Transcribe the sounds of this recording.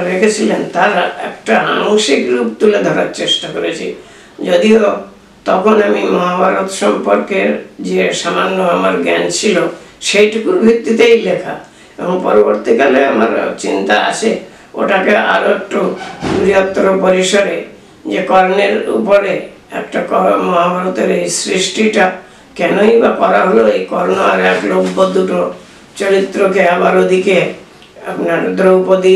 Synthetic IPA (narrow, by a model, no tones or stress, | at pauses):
ɾekʰet͡ɕʰilent̪aɾɛ̰kʈaaŋʃikɾupt̪uled̪ʱɔɾa̰ɾt͡ɕeʃʈakɔɾet͡ɕʰḭ | d͡ʑod̪io | t̪ɔkʰonamimɔɦabʱaɾot̪ʃɔmpɔɾkeɾd͡ʑesamanːoamaɾɡɛnt͡ɕʰilo | ʃejʈikuɾbʱit̪ːit̪̬ejlekʰa̰ | ebɔŋpɔɾoboɾt̪ikaleama̰ɾt͡ɕint̪aa̰t͡ʃʰe | o̰ʈakea̰ɾoek̚ʈoɾijɔt̪ːɾopɔɾiʃɔɾe | d͡ʒekɔɾneɾṵpɔɾe | ɛ̰kʈakɔmɔɦabʱaɾɔt̪eɾejsɾisʈiʈa | kɛnoibakɔɾaɦoloekɔɾnoaɾeakloupːod̪uʈo | t͡ʃɔɾit̪ːɾokeabaɾod̪ʱike | a̰pnaɾd̪ɾoupod̪i